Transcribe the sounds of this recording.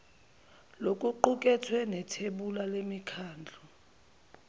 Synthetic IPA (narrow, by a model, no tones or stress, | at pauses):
lokʼuǃuk̬ʼɛtʰwɛnɛtʰeɓulalemikʰaːnd͡ɮʱɔ